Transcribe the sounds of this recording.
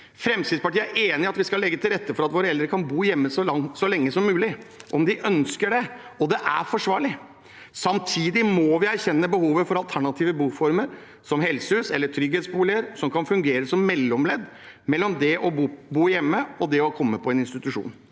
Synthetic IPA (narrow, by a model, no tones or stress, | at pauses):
fɾɛmsɪd̪spɑʈiəæɾʔeːnɪɑt̪ʋɪskɑlːɛɡːət̪ɪlɾɛt̪ːəfɔɾɑt̪ʋoːɾəɛld̪ɾəkʰɑnbuːjɛmːəsɔsɔlɛŋːəsɔmːʉːlɪʔɔmd̪ɪʔœnskəɖɛɔd̪ɛʔæ̰ɾfɔʂʋɑːɭɪ | sɑmt̪ʰiːd̪ɪmɔʋɪæɾçɛnːəbəhuːʋəfɔɾɑlt̪ʰæɳɑt̪ʰiːʋəbuːfɔɾməɾ | sɔmɦɛlsəhʉːsɛlːəʈʰɾʏɡheːt̪sbuːlɪəɾsɔmkʰɑnfʉŋɡeːɾəsɔmːɛlːɔmlɛd̪ | mɛlːɔmd̪ɛʔɔbuːjɛmːəɔd̪ɛɔkʰɔmːəpʰɔɛnɪnst̪ɪt̪ʉʂṵːn